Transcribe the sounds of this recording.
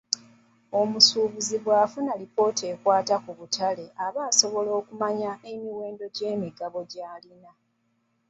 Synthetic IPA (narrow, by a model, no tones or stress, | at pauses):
o̞musuːβuziβwaːfunalipo̞ːtʰe̞ːkwaːtakuβutʰale̞ʔaβaːso̞βo̞lo̞ːkumaɲaemiwe̞ːndo̞ɟe̞ːmiɡaβo̞ɟaːlina